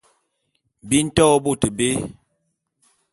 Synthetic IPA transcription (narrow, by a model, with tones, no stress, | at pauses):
bi˦n̩˦tɔ˦bo˦˨tə˨be˦